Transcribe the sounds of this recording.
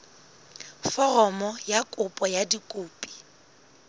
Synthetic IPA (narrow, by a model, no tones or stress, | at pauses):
fɔrɔmɔjakʼʊpʼɔjadikʼʊːpʼi̥